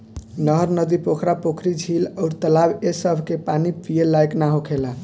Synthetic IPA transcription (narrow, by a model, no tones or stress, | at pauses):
nəɦəɾnəd̪ipokʰɾapokʰɾid͡ʒʱiləʊɾt̪əlabesəbʱkepanipijelajknaɦokʰela